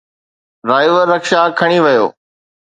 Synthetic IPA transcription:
ɾaːɪʋəɾːɐkʃakʰɐɽ̃iʋɐjo̰ː

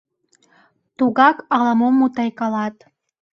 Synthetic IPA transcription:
t̪uɣɑkɑlɑmomːut̪ɑjkɑlɑt̪

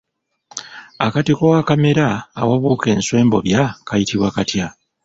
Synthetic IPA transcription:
akatikowakame̞ɾaːwaβuːke̞ːnswe̞ːmbo̞̰βjakajitiβwakatja

